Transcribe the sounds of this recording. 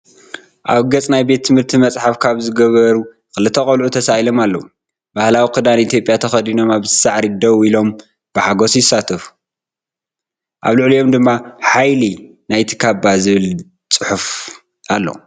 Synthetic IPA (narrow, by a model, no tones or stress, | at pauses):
ʔaβɡɐt͡sʼnajbe̞t̪ʰːɨmhɨɾt̪ʰimɐt͡sʼħafkʰaβzɨɡɐβɐɾu | xɨlɨt̪ʰːɐkʼɐlʕut̪ʰɐsajilo̞malːo | bahlawikʰɨd̪anit̪ʰjo̞pʼjat̪ʰɐxɐd̪ino̞maβzɨsaʕɾid̪ɐwilo̞m | b̥ɨħaɡosjɪsat̪ʰɨfu̥ | ʔaβlɨʕlijo̞md̪ɨmːaħajli | najt̪ʰi̥kʰabazɨβɨl | t͡sʼɨħuf | ʔalːo̰